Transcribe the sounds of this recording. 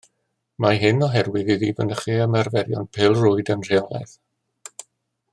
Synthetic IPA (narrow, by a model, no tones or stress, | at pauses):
maɦɪnɔɦɛrwɪðiðiːvənəχiəmɛrvɛɾjɔ̰npʰɪlˠrʊɨdənr̥eɔlˠɛ̰θ